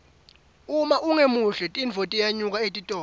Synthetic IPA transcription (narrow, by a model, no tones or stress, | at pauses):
umaʔuŋemuɬɛtʼinvʱotʼijaɲuk̬ʼaetʼitʼɔː